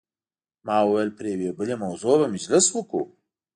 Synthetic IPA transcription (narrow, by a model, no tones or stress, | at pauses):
maːwəwelpɾeːweːbɨlemɐwzoːbɐmɪd͡ʒlɪswəkṵ